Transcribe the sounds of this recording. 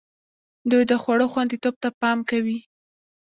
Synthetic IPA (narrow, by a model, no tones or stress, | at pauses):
d̪ujd̪əxwaɽoxwand̪it̪ob̚t̪apɑmkawi